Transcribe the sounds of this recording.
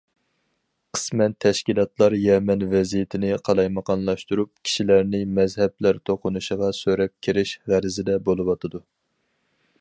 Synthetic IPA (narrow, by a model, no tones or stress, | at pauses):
qʰə̥smɛnt̪ʰɛʃkʲilˠɑt̪lˠɑɾjɛmɛnvɛzijɪt̪ʰɪnɪqʰɑlˠɑjmɑqɑnlˠɑʃt̪uɾup̚kʲʰi̥ʃilæɾnɪmɛzɦɛblæɾt̪ʰoqʰʊnuʃəʁɑsøɾɛp̚kʲʰiɾɪʃʁæɾɪzɪd̪ɛbolˠɨwɑt̪ʰɨd̪u